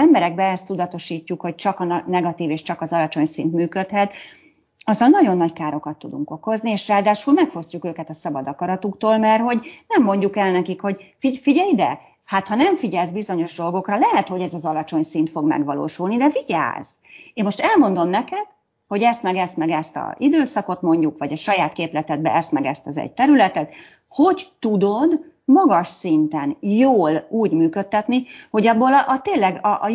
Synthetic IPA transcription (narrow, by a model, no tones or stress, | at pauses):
ɛmbɛɾɛɡ̚bɛɛst̪ːud̪ɒt̪o̞ʃiːcːukho̞c̚t͡ʃɒkɒnnɛɡɒt̪iːveːʃt͡ʃɒkɒzɒlɒt͡ʃo̞ɲsint̪myːkø̞t̪hɛt̪ | ɒzːɒlnɒɟo̞nːɒckaːɾo̞kɒt̪ːud̪uŋko̞ko̞znieːʃraːld̪aːʃulmɛkfo̞scukøːkɛt̪ɒsɒbɒd̪ɒkɒɾɒt̪ukt̪oːlmɛrho̞ɟnɛmːo̞ɲɟukɛlnɛkikho̞ɟfifiɟɛjd̪ɛ̰ | haːt̪hɒnɛɱfiɟɛlzbizo̞ɲo̞ʒd̪o̞lɡo̞krɒlɛɦɛt̪ho̞ɟɛzɒzɒlɒt͡ʃo̞ɲsint̪fo̞ɡmɛ̰ɡʋɒlo̰ːʃulnid̪ɛviɟa̰ːz̥ | eːmmoʃt̪ɛlmo̞nd̪o̞mnɛkɛd̪̥ | ho̞ɟɛst̪mɛɡɛsmɛɡɛst̪ɒ̰id̪øːsɒko̞t̪mo̞ɲɟukʋɒɟɒʃɒjaːt̪keːplɛt̪ɛd̪̚bɛ̰ɛst̪mɛɡɛst̪ɒzɛ̰ɟ̚t̪ɛɾylɛt̪ɛt̪ | ho̞ɟt̪ud̪o̞d̪ | mɒɡɒʃsint̪ɛnjoːluːɟmyːkø̞t̪ːɛt̪niho̞ɟɒbːoːlɒʔɒt̪eːnlɛɡɒʔ